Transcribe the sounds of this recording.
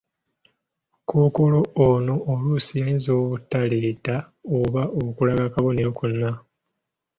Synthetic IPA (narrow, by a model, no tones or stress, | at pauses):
kʰukuloːnoːlusijainzo̞ːβutːaleta | oβaʔokulaɡakaβo̞ne̞ɾokunːa